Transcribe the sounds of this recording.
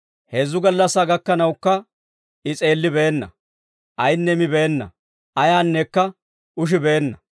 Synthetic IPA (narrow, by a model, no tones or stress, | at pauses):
heːzːʊɡɐlːɐsːaːɡɐkːɐnɐwkːɐ | ɪt͡sʼe̞ːlːɪbeːnːɐ̰ | ʔɐjnːɛmɪbeːnːɐ̰ | ʔɐjaːnːɛkːɐ | ʔʊʃ̬ɪbeːnːɐ